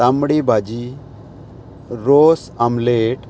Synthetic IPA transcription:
amɽibʱad͡ʒi | ɾos | amleʈ

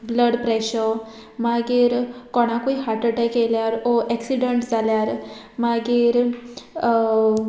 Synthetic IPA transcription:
bləɽpɾeɕə | maɡiɾkɔɽ̃akuiɦaʈəʈekeljaɾoʔɛksiɖəɳʈd͡zaljaɾ | maɡiɾ

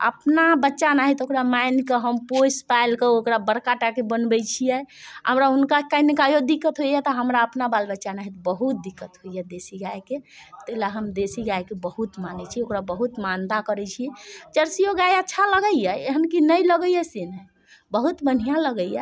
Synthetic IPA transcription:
ə̰pnabətːʃanaɦit̪okɾamajnkeɦəmpospajlkeokɾabəɾkaʈakebənbɛt͡ʃʰijɛɦəmɾaɦunkakainikajod̪ikːət̪ɦojɛt̪ɔɦəmɾaəpnabalbətːʃanaɦit̪bəɦut̪̚d̪ikːət̪ɦoijɛd̪esiɡajket̪əlaɦəmd̪esiɡajkebəɦut̪manɛt͡ʃʰiokɾabəɦut̪mand̪akəɾɛt͡ʃʰijɛt͡ʃəɾsijoɡajətːʃʰaləɡəijɛeɦənkinəjləɡəjɛsin | bəɦut̪bən̤ijaləɡəijɛ

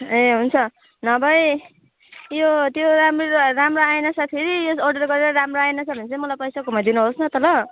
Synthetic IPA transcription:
eɦunt͡sʰʌ | nʌbʱʌj | jot̪joɾamroramroajnʌt͡sʰapʰeɾijoorɖʌrɡʌɾeɾʌɾamroajnʌsʰʌbʱʌnt͡sʌjmʌlajpʌjsakumad̪inuɦosnʌt̪ʌlʌ

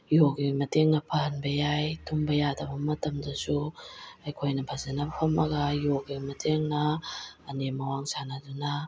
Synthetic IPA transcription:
joɡimɐteŋnɐpʰaɦanbɐjajtʰumbajadabamɐtɐmdasuajkʰojnɐbʰʱazanapʰɐmaɡajoɡimɐtʰeŋnaː | nemɐwaŋsʰanaduna

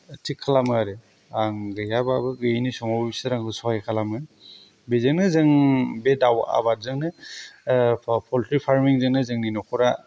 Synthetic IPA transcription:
tʰikʰːalamɯɾe | aŋɡɯjababɯɡɯjnisɔmɔwbisɯɾaŋɡɯsɔajkʰalamɯ | bezɯŋnɯzɯŋbedawa̰baɾ̚zɯŋnɯ | pʰɔltɾipʰaɾmiŋzɯŋnɯzɯŋninɔkʰɔɾa

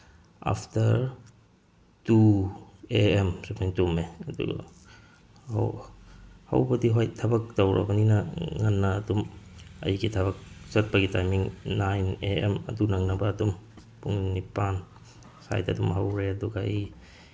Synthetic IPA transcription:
a̰pʰtʰɐɾ | tu | eemsepʰantumeɐdṵɡa̰ | ha̰wbɐdiɦojtʰɐbɐk̚tɐwɾʔɐ̰bɐninɐŋɐnːɐːdumɐ̰jɡitʰɐbɐk̚zɐt̚pɐɡitajmiŋnajneemɐ̰dunɐŋnɐbɐːdum | puŋnipan | sa̰jtɐdumɦawɾeɐduɡaij

